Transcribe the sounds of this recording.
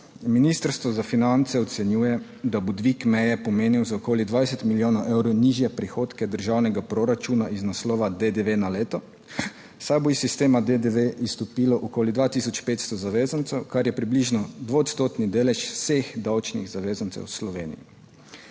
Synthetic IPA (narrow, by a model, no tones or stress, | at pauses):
minist̪əɾst̪ʋɔzafinant̪sɛɔt̪sɛnjuːjɛ | d̪abud̪ʋikmɛjɛpɔmeːniwzaɔkoːlid̪ʋajsɛt̪miljoːnɔwʔɛwɾɔwniʒjɛpɾixoːt̪kɛd̪əɾʒawnɛɡapɾɔɾat͡ʃunaiznaslɔːʋad̪ed̪eʋenaleːt̪ɔ | sajboisist̪eːmad̪ed̪eʋeʔist̪ɔpiːlɔʔɔkoːlid̪ʋaːt̪isɔt͡ʃpeːt̪st̪ɔzaʋeːzant̪sɛwkaɾjɛpɾibliʒnɔd̪ʋot̪st̪oːt̪nid̪eːlɛʃfsexd̪awt͡ʃniɣzaʋeːzant̪sɛ̰wslɔʋeːnḭjḭ